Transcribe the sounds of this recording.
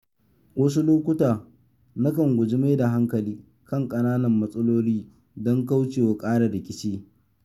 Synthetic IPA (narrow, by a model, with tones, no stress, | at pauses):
wɐ˦s̬u˦loː˦kʷʊ˦taː˨ | na˦kɐ˨ŋɡʷʊ˨d͡ʒɪ˦ma˦jda˨ɦa˦ŋkɐ˨liː˦ | kɐ˦˨ŋkʼɐ˨naː˦nɐ˨mːɐ˦sʼɐ˦loː˦liː˦ | dɔ˦ŋka˦wt͡ʃeː˨wa˨kʼaː˦ɽa˨ɽɪ˨kʲɪ˦t͡ʃeː˦